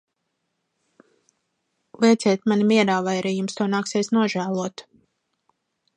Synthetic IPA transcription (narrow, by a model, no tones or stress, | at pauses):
lˠiɛt̪sʲɛːt̪manʲimiɛɾaːvajɾɛjumst̪uɔnaːkseːsnuɔʒæːlˠuɔt̪